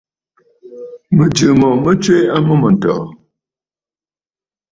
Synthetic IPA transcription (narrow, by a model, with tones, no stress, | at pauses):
mə˨d͡ʒɨ˨mɔ˨mə˦t͡ʃwe˦a˦mə˦mə˨n˨tɔ̰ː˨